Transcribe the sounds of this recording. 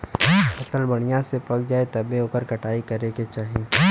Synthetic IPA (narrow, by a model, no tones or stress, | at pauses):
ɐsəlbɐɽ̃ijãsepɐkd͡ʒaːet̪ɐbeɦoːkəɾkɐʈaːikɐɾeket͡ʃaːɦiẽː